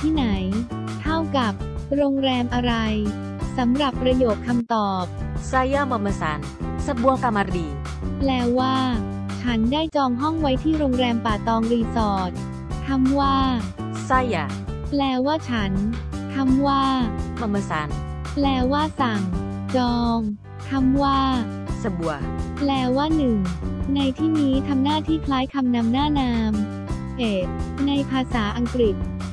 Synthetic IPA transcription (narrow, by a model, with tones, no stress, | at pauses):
t̪ʰiː˥˩na˩˦j | t̪ʰa˥˩wka˨˩p̚ɾoː˧ŋɾɛː˧mʔa˧ɾa˧j | sa˩˦mɾa˨˩pːɾa˧joː˨˩t̪̚kʰa˧mt̪ɔː˨˩p̚sa˧ja˥˩ma˧ma˧sa̰˨˦n | sa˧bu˧əka˧ma˧ɾiː˧˩ | plɛː˧˥waː˥˩ | t͡ɕʰa˦˥ndaː˥˩jt͡ɕɔː˧ŋɦɔ˥˩ŋwa˦˥jt̪ʰiː˥˩ɾoː˧ŋɾɛː˧mpaː˨˩t̪ɔː˧ŋɾiː˧sɔː˨˩t̪̚ | t̪ʰa˧˥mwaː˥˩ | sa˧˥˩ja˧˩ | plɛː˧waː˥˩t͡ɕʰa˦˥nt̪ʰa˧mwaː˥˩ma˧ma˧sa˨˩˦n | plɛː˧waː˥˩sa˨˩ŋ | t͡ɕɔː˧ŋ | t̪ʰa˧˥mwaː˥˩ | sa˧bu˨˩ək̚plɛː˧waː˥˩nɯ˨˩ŋna˧jt̪ʰiː˥˩niː˦˥t̪ʰa˧mnaː˥˩t̪ʰiː˥˩kʰlaː˦˥jkʰa˧mna˧mnaː˥˩naː˧m | he˨˩t̪̚na˧jpʰaː˧saː˩˦ʔa˧ŋkɾi˨˩t̪̚